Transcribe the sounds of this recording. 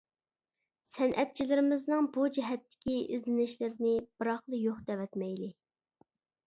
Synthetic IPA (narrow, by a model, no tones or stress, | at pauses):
sɛnʔɛt̪̚t͡ʃʰilɪɾɪmɪznɨŋbud͡ʒiɦɛt̪ːɪ̥kʲiɪzlɪnɪʃlɪɾɪnɪb̥ɨɾɑχlˠɨjoχd̪ɛwɛt̪mɛjlɪ